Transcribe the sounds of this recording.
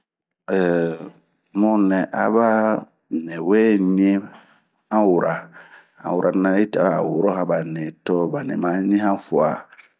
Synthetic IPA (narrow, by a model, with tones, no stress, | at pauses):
ɛ˨ | mɔ˦nɛ̃˨ʔa̰˨ba˦˨ | nɛ˨wɛ˦ɲi˦e˦ | ã˦wu˨ɾa˨ | ã̰˨wu˨ɾa˨˦nã˨i˦ta˨a˦˨wu˨ɾɔ˦hã˨ba˨nɛ̃˨tɔ˦ba˨nɛ̰˨mã˨˦ɲĩ˦hã˦fu˨a˨